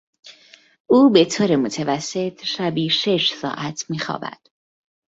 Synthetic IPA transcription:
ʔuːbe̞t̪ʰoːɾemot̪ʰevæsːe̞t̪ʰʃæbiːʃe̞ʃsɒ̰ːʔæt̪ʰmiːxɒ̰ːbæ̰d̪̥

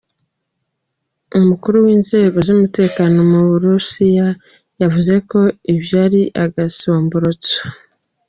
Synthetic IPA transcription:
umukuɾuwiːnze̞ːɡo̞zumute̞ːkano̞muβuɾusija | javuze̞ko̞iβjaːɾiʔaɡasoːmboɾot͡sḁ

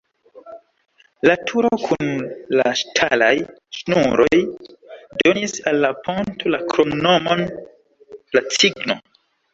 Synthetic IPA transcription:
latʰuɾokʰunla̰ʃtʰalajʃnuɾʔo̞j | donisalːapʰo̞ntʰolakɾo̞mno̞mon | lat͡siɡno̞̰

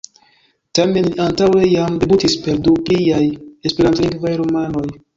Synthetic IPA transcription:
tame̞nliantawejamde̞butispe̞ɾduplijajespe̞ɾantiŋɡvajɾomano̞j

